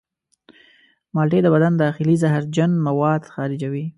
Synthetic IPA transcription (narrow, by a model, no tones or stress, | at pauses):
mɑlʈed̪əbad̪and̪ɑxɪlizaɦaɾd͡ʒanmawɑd̪xɑɾɪd͡ʒawi